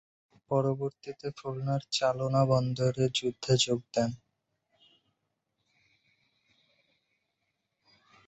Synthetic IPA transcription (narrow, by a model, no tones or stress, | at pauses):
pɔɾoboɾt̪it̪efulnaɾt͡ɕalonabɔnd̪oɾed͡ʑud̪ʱːad͡ʑoɡ̚d̪ɛn